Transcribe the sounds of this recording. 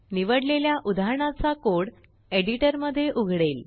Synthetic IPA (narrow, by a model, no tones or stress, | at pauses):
niʋəɽleljaʔud̪ʱaɦɳat͡sakoɽ | eɽiʈəɾməd̪ʱːjeʔuɡʱɽel